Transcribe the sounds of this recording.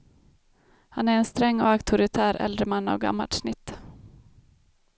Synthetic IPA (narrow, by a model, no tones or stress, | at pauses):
hanæɾɛnst̪ɾɛŋːɔakt̪ʰʊɾɪt̪ʰæːɾɛ̰ld̪ɾəmanːa̰vɡa̰mːalʂnɪt̪ː